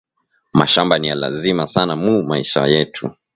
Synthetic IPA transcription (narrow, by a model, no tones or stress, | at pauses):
ma̰ʃambanijala̰zimasanamumaiʃa̰jɛtʰu